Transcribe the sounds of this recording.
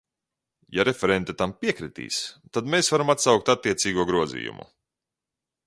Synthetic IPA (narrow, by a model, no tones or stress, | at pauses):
jaɾefʲɛɾɛnt̪et̪ampiɛkɾit̪ḭːst̪ad̪meːsvaɾamat̪sawk̚t̪at̪ːiɛt̪siːɡuɔɡɾuɔzḭːjṵmṵ